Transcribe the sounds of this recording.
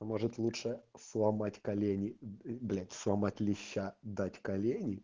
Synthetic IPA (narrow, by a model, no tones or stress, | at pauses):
moʐɨt̪lˠutʂəslˠɐmatʲkɐlʲenʲɪblʲat̪ʲslˠɐmatʲlʲɪɕːad̪atʲkɐlʲenʲɪ